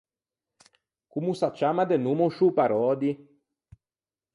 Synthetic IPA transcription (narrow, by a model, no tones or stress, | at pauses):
kumusat͡ʃamad̪ɛnumoʃupaɾɔːd̪i